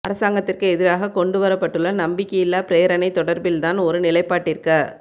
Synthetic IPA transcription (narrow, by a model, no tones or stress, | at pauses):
ʔɐ̰ɾɐsaːŋɡɐt̪ːɪrkɯɛðɪɾaːɣɐkɔɳɖɯʋɐɾɐpːɐʈːɯlːɐnɐmbɪkːɐjɪlːaːpɪɾejɐɾɐnɐɪt̪ːɔɽɐɾbɪlt̪aːnɔɾɯnɪlɐɪpːaːʈːɪɾkːɐ